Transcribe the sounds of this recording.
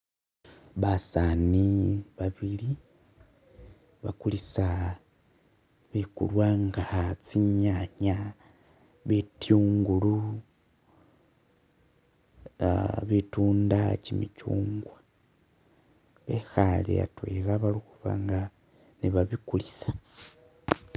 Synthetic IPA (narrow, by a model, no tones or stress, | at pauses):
βasaniβaβili | βa̰kulisa | βekṵlwaŋɡat͡siɲaɲa | βetjuːŋɡulu | βetuːndacimit͡ʃuːŋɡwa | βexalḛja̰twḛlaβalixuβa̰ŋɡa | niβaβikulisḁ